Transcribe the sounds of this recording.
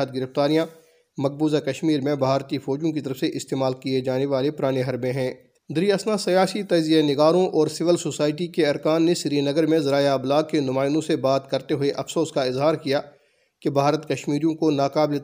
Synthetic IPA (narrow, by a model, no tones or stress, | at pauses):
əd̪̚ɡɪɾəft̪aːɾijã | mɐk̚buːzakɐʃmiːɾmẽbʱaːɾt̪ifɔːd͡ʒõkit̪ɐɾəfseʔɪst̪eːmaːlkied͡ʒaːneʋaːlepʊɾaːneɦɐɾbẽɦɛ̃ː | d̪ɪɾiɐsnasɐjaːsit̪ɐd͡ʒzijenɪɡaːɾõʔɔːɾsɪʋəlsoːsaːɪʈ̬ikeɐɾkaːnːesɪɾinɐɡəɾmẽzɐɾaːjaɐblaːɡ̚kenʊmaːɪnõsebaːt̪kɐɾt̪eɦʊeʔɐfsoːskaɪzɦaːɾkija | kebʱaːɾət̪kɐʃmiːɾijõkonaːkaːble